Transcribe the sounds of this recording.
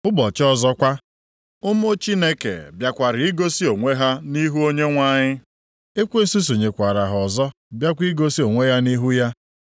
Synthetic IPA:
ʊ˦bɔ˨t͡ʃɔ˦zɔ˦kʷa˦ | ʊ˦m˦o˦t͡ʃi˦ne˦kḛ˨bja˨kʷa˨ɾɪ˨i˦ɡo˦si˦o˨ŋʷe˦ɦa˦ni˦ɦu˦o˦ɲe˦ŋʷa˦ɲɪ˦ | e˦kʷe˦n̩˦su˦s̬u˨ɲe˨kʷa˨ɾa˨ɦʊ˨ɔ˨zɔ˦ | bja˦kʷi˦ɡo˦si˦o˨ŋʷe˦ja˦ni˦ɦu˦ja˦

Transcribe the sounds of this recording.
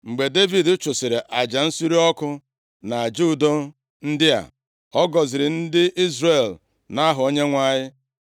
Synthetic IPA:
ŋ͡m̩˨ɡ͡be˨de˦vi˨dʊ˦t͡ʃʊ˨sɪ˨ɾe˨ʔa˨d͡ʒa˨n̩˦si˦ɾi˦ɔ˦kʊ˦ | na˨d͡ʒu˦˨do˦ | n̩˦dɪ˦a̰˨ | ɔ˦ɡɔ˨zɪ˨ɾɪ˨n̩˦dɪ˦ʔi˦zre˨l | na˦ɦʊ˨o˦ɲe˦ŋʷa˦ɲɪ˦

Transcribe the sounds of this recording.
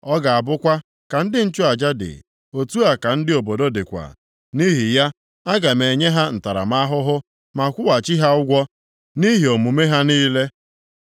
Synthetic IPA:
ɔ˦ɡa˨a˨bʊ˦kʷa˦ | ka˨n̩˦dɪ˦n̩˦t͡ʃʊ˦a˨d͡ʒa˦dɪ̰˨ | o˨tu˦a˨ka˨n̩˦dɪ˦o˨bo˨do˦dɪ˨kʷa̰˨ | ni˦ɦi˨ja˦ | a˦ɡa˨me˨ɲe˦ɦa˦n̩˨ta˨ɾa̰˨ma˦a˦ɦʊ˦ɦʊ˦ | ma˨kʷʊ˦wa˨t͡ʃi˦ɦa˦ʊ˦ɡʷɔ˦ | ni˦ɦi˨o˨mu˨me˦ɦa˦niː˦le˦

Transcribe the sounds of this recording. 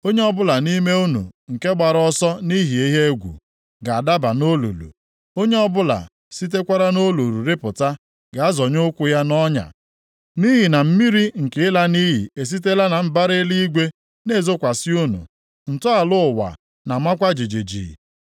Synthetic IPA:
o˦ɲe˦ɔ˦bʊ˦la˨ni˦me˦u˦nṵ˨ŋ̩˨ke˦ɡ͡ba˨ɾɔ˦sɔ˦ni˦ɦi˨e˦ɦe˦ɡʷṵ˨ | ɡa˨a˨da˦ba˨no˦lṵ˨lṵ˨ | o˦ɲe˦ɔ˦bʊ˦la̰˨ | si˦t̬e˦kʷa˦ɾa˦no˦lu˨ɾu˨ɾɪ˦pʊ˨ta˦ | ɡa˨a˦zɔ˨ɲʊ˦kʷʊ˦ja˦nɔ˦ɲa̰˨ | ni˦ɦi˨na˨m̩˦mi˦ɾi˦ŋ̩˨kɪ˨˦la˦ni˦ɦḭ˨e˨s̬i˦te˦la˦na˨m̩˦ba˦ɾɪ˦li˦ɡʷe˦ | ne˦˨zo˦kʷa˨si˦u˦nṵ˨ | n̩˨tʊ˦a˨lʊ˦˨wa̰˨ | na˨mʷa˦kʷa˦d͡ʒi˨d͡ʒe˨d͡ʒḭ˨

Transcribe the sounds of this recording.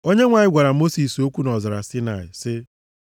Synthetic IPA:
o˦ɲe˦ŋʷa˨ɲɪ˦ɡʷa˨ɾa˨mo˦si˨so˦kʷu˦nɔ˨za˨ɾa˨si˦na˨ɪ̰˨sɪ˦

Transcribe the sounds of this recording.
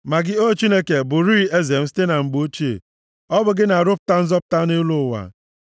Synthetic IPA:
ma˨ɡɪ˦o˦˨t͡ʃi˦ne˦ke˨bʊ˨ɾi˦e˦ze˨m̩˦ste˦na˨ŋ͡m̩˨ɡ͡bo˦t͡ʃi˦ḛ˨ | ɔ˦bʊ˨ɡɪ˦na˨ɾʊ˦pʊ̥˦ta˦n̩˦zɔ˦p̚ta˦ne˦lu˦˨wa̰˨

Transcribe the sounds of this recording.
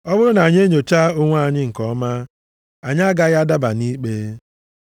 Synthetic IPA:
ɔ˦bʊ˦ɾʊ˦na˨ɲ˦e˦ɲo˨t͡ʃa˦ʊ˦ŋʷa˦˨ɲɪ˦ŋ̩˨kɔ˦ma˦ | a˨ɲ˦a˦ɡa˦ɣa˦da˦ba˨ni˦k͡pe˦

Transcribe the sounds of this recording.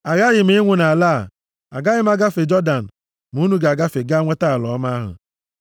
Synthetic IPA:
a˨ɣa˦ɣɪ˨me˨˦ŋʷʊ˨na˨la˦˨ | a̰˨ɡa˦jɪ˦m˦a˨ɡa˦fe˨d͡ʒɔ˦da˨n̩˨ | mu˦nu˦ɡe˨a˨ɡa˦fe˨ɡa˦ŋʷe˦ta˦a˨lɔ˨˦ma˦a˦ɦʊ̰˨

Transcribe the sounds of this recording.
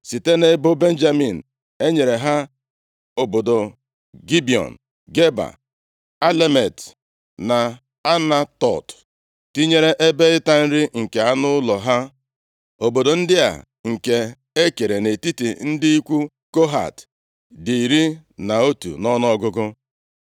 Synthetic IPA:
si˨te˦ne˦bo˦be˦n̩˦d͡ʒa˦mi˨n̩˨ | e˦ɲe˨ɾe˨ɦa˦ | o˨bo˨do˨ | ɡi˦bi˨ɔ̰˨n̩˨ | ɡe˦ba̰˨ | a˦le˦me˨t | na˨ | a˦na˦tɔ̰˨t | ti˦ɲe˦ɾe˦ʔe˦be˦ɪ˦ta˦n̩˦ɾɪ˦ŋ̩˨ke˨a˦nʊ˦lɔ˨ɦa˦ | o˨bo˨do˨n̩˦dɪ˦a̰˨ | ŋ̩˨ke˨ | e˦ke˨ɾe˨ne˨ti˦tḭ˨n̩˦dɪ˦i˦kʷu˦ | ko˦ɦa̰˨t | di˨i˨ɾi˦na˨o˦tṵ˨nɔ˦n˦ɔ˦ɡʊ˦ɡʊ˦

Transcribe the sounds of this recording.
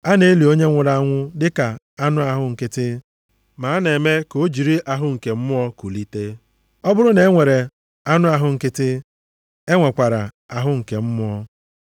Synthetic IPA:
a˦ne˦li˨o˦ɲe˦ŋʷʊ˨ɾa˦ŋʷʊ˦dɪ˦ka˨ | a˦nʊ˦a˨ɦʊ˦ŋ̩˨kɪ˦tɪ˦ | ma˨a˦ne˨me˦ko˦d͡ʒi˨ɾi˦ʔa˨ɦʊ˦ŋ̩˨ke˨m̩˦mʊ˦ɔ˦ko˨li˦te˦ | ɔ˦bʊ˦ɾʊ˦ne˦ŋʷe˨ɾe˨ | a˦nʊ˦a˨ɦʊ˨ŋ̩˨kɪ˦tɪ˦ | e˦ŋʷe˨kʷa˨ɾa˨ | a˨ɦʊ˦ŋ̩˨ke˨m̩˦mʊ˦ɔ˦

